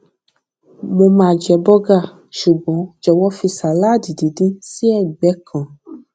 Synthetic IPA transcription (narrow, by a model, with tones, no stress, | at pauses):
mo˧mãː˧˨d͡ʒɛ˧˨bɔ˦ɡa˦˨ | ʃu˨ɡ͡bɔ̃˨˦d͡ʒɔ˧wɔ˦fi˧sa˨la˦˨di˨di˨˦dĩ˦si˦ɛ˦˨ɡ͡bɛ˨˦kʰã˨